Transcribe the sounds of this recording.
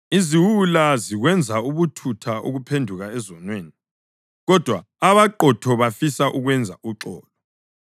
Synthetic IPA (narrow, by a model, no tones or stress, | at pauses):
iziwulaziɣwɛnd͡zʱauβutʰutʰaʔṵɣupʰendʱuɣaɛzɔnweːni | ɣɔd̥ʱwaːβaǃɔtʰɔβafisaʔuɣwɛnd͡zʱa̰ʔuǁɔːlɔ